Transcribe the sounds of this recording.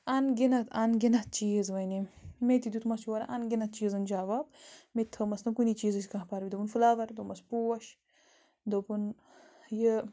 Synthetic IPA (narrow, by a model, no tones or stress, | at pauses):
ɐnɡinɐt̪ʰɐnɡinɐt̪̚t͡ʃiːzʋɐjnimet̪id̪ut̪mɐsuɐɾaʔɐnɡʲinɐt̪̚t͡ʃiːzɐnd͡ʒaːʋab̚met̪ʰɐmɐsnɐkunit͡ʃiːzɐskãɦpaɾbid̪ɐpunfulaːʋɐɾd̪omɐspuwɐʃ | d̪opun | jə